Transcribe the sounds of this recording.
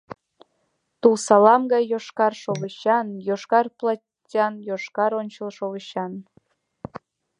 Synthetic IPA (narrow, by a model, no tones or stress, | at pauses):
t̪ulsɑlɑmɡɑjːoʃkɑrʃoβəɕɑnjoʃkɑrplˠɑ | tʲɑnjoʃkɑɾonʲt͡ɕəlʃoβəɕɑn